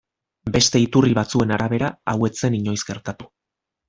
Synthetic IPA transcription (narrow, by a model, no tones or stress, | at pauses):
be̞st̪e̞it̪uriβat͡sue̞naɾaβ̞e̞ɾaawe̞t͡se̞niɲo̞jzɡe̞ɾt̪at̪u̥